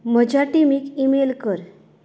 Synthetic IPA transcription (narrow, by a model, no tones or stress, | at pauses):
m̤əd͡ʑʱaʈimikimelkəɾ